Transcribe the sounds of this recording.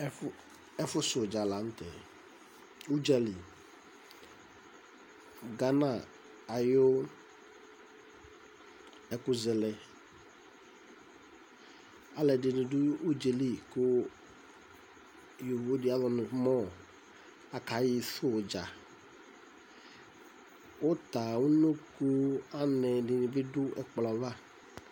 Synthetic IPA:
ɛ˦fʊ˦sʊ˨d͡ʒa˨la˨˦n̩˦tɛ˨ | u˦d͡ʒa˦li˨ | ɡa˦na˨ | a˨jʊ˦ | ɛ˨kʊ˦zɛ˨lɛ˦ | a˨lɛ˨dɪ˨nɪ̃˨dʊ˦o˦d͡ʒe˨li˦kʊ˦ | jo˨vo˦di˨˦a˦lɔ˨nʊ̃˨˦mɔ̃˦˨ | a˨ka˨ji˨sʊ˦˨d͡ʒa˨ | wo˦t̪a˨wu˦no˦kʊ˦a˦nɛ˨dɪ˨nĩ˨bɪ˦dʊ˦ɛ˨k͡pla˨va˦

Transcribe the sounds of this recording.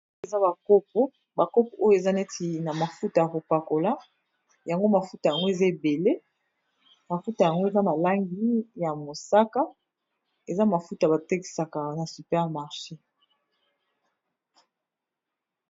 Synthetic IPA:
e˨za˦ba˨ko˦p̚o˦ | ba˨ko˦po˨ʔo˦jo˦e˨za˦ne˦ti˨na˨ma˨fu˦ta˨ja˨ko˨pa˨ko˨la˦ | ja˨ŋɡo˦ma˨fu˦ta˨ja˨ŋɡo˦e˨za˦e˨be˨le˦ | ma˨fu˦ta˨ja˨ŋɡo˦e˨za˦ma˨la˦ŋɡi˦ja˨mo˨sa˦ka˦ | e˨za˦ma˨fu˦ta˨ba˨te˦ki̥˨sa˨ka˨na˨sy˨pɛ˦ʁma˨ʁʃe˦

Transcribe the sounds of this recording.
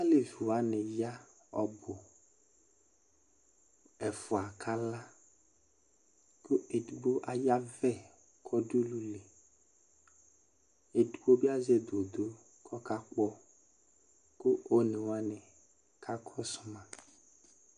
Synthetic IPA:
a˦le˨vi˨wa˦nɪ˨ja˦ | ɔ̰˨bʊ˨ | ɛ˨fʊ˨a˨kʰa˦la˦ | kʊ˦e˨du˨ɡ͡bo˦ʔa˨ja˦vɛ˦˨ | kʰɔ˦ɖu˦lu˦le˨ | e˨du˨ɡ͡bo˦bi˦a˦zɛ˦d̪o˨d̪o˦ | kʰɔ˦ka˦k͡pɔ˦ | ko˦o˦nẽ˨wa˦nɛ˨ | kʰa˦kʰɔ˦sʊ˦mã˨

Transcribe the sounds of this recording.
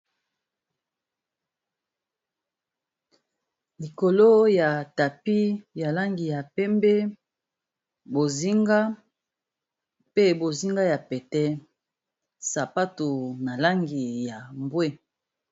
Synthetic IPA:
li˨ko˨lo˦ja˨ta˨pi˦ja˨la˦ŋɡi˨ja˨pɛ˦mbe˦ | bo˨zi˦ŋɡa˦ | pe˦bo˨zi˦ŋɡa˦ja˨pɛ˨tɛ˦ | sa˨pa˦tu˨na˨la˦ŋɡi˨ja˨mbwe˦

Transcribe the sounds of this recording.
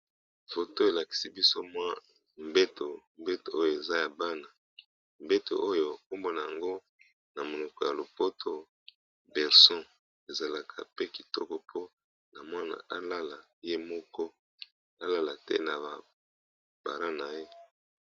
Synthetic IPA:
fo˨to˦e˨la˨ki̥˨si˦bi˦so˦mwa˦ | m˨be˦to˨m˨be˦to˨o˦jo˨e˨za˦ja˨ba˦na˨ | m˨be˦to̰˨ʔo˦jo˨a˨ko˦mbo˦na˨ja˨ŋɡo˦ | na˨mo˨lɔ˨kɔ˨ja˨lo˨po˦tʰo˦ | bɛ˨ʁsɔ̃˦ | e˨za˨la˨kʰa˨pe˦ki˨tɔ˦kɔ˨pʰo˦ | na˨mwa˦na̰˨ʔa˦la˦la˨ | je˦mɔ˦kɔ˦ | a˦la˦la˨tɛ̰˦na˨ba˨ | b̥a̰˨la˦na˨je˦

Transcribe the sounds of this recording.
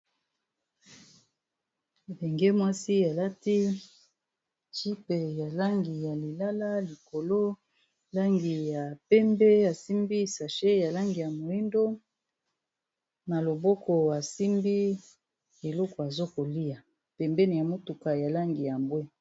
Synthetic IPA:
e˨be˨ŋɡe˦mwa˦si˦a˨la˦ti˦ | ti˦pe˨ja˨la˦ŋɡi˨ja˨li˨la˦la˦li˨ko˨lo˦ | la˦ŋɡi˨ja˨pɛ˦mbɛ˦a˨si˦mbi˦sa˨ʃe˦ja˨la˦ŋɡi˨ja˨mo˨i˦ndo˦ | na˨lo˨bɔ˦kʰɔ˨a˨si˦mbi˦ | e˨lɔ˦kɔ˨a˨zo˦ko˨li˦a˨ | pɛ˨mbɛ˦ni˨ja˨mo˦tu˨ka˨ja˨la˦ŋɡi˨ja˨mbwe˦

